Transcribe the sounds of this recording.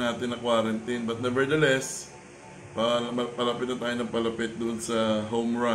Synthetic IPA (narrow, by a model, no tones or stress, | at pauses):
ŋaːt̪ɪnːɐkwaːɾɐnt̪ɪnbɐt̪̚nɛvɛɹd̪ɐlɛs | pɐmɐpɐlɐpɪt̪̚nɐt̪aːjonɐpɐlɐpɪt̪̚d̪ʊʔnsɐɦowmɹa